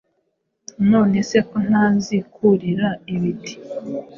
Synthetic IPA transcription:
no̞ːne̞se̞ko̞n̥azikʰuɾiɾaiβiti̥

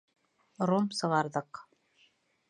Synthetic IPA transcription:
romsɤ̆ʁɑɾðɤq

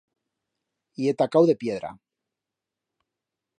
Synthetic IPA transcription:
iet̪akawðe̞pjeð̞ɾa̰

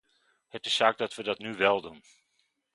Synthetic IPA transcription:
hətɪsːaːk̚dɑtʋədɑtnyʋɛlˠdun

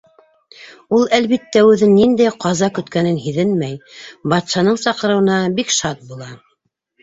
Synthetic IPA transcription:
ulˠælβit̪ːæʉðɘnːind̪æjqɑzɑkɵ̆t̪kænɘnɦiðɘnmæjbɑt̪ʃɑnɤɴsɑqɤ̆ɾɤ̆wɤ̆nɑbikʃɑt̪̚bulˠɑ

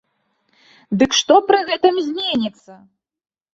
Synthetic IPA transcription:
d̪ɨkʂt̪ɔpɾɨɣɛt̪ɨmzʲmʲenʲit̪sːɐ

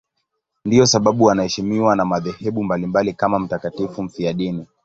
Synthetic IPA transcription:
ndiɔsaɓaɓuwanahɛʃimiwanamaðɛhɛɓumbalimbalikamam̩takatifum̩fiaɗini

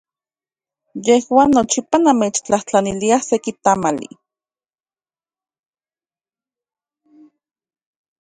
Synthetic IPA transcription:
jehwaːnːot͡ʃipanameːt͡ʃt͡ɬaht͡ɬaniliahsekit̪amalḭ

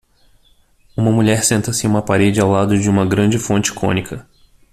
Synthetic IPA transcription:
ũmɐmuʎɛɾsẽnt̪ɐsɪũmɐpaɾed͡ʒɪawlad̪ʊd͡ʒɪũmɐɡɾɐ̃nd͡ʒɪfõnt͡ʃɪ̥kʰõ̰nikʰɐ

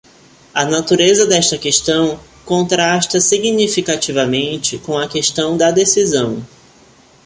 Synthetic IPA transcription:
ɐnat̪uɾezɐd̪ɛʃt̪ɐkeʃt̪ɐ̃w̃ | kõnt̪ɾaʃt̪ɐsiɡnifikat͡ʃivɐmẽnt͡ʃɪkõw̃ɐkeʃt̪ɐ̃w̃d̪ɐd̪esizɐ̃w̃

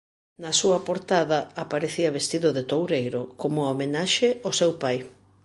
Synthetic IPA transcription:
nɐsuɐpoɾt̪aðɐapaɾeθiɐβest̪iðʊðet̪owɾejɾʊkomʊomenaʃeosewpaj

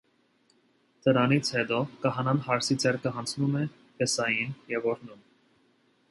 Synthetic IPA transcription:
t̪əɾɑnit͡sʰhɛt̪ɔkəɦɑnɑnhɑɾsit͡sʰɛrkʰəɦɑnt͡sʰnumɛ | pɛsɑjinjɛvɔɾnum

